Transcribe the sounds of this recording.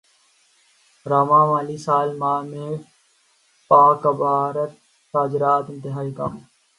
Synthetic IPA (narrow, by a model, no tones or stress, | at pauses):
ɾaːmãːmaːliːsaːlmaːmẽː | paːkəbaːɾət̪ː | aːd͡ʒɾaːt̪ɪ̃nt̪ɪɦaːiːka̰ːm